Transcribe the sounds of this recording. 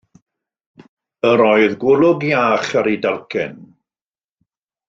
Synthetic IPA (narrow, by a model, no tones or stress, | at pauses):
əɾɔɨðɡwʊlˠʊɡiaːχaɾidalˠkʰɛn